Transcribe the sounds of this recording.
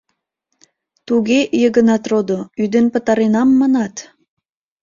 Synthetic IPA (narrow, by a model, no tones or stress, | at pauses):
t̪uɣejəɣə̆nɑt̪rod̪oyd̪enpə̆t̪ɑɾenɑmːɑnɑt̪